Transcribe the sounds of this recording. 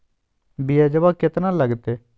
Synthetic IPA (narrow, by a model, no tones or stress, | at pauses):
bijad͡ʒəbakɪt̪nãləɡt̪e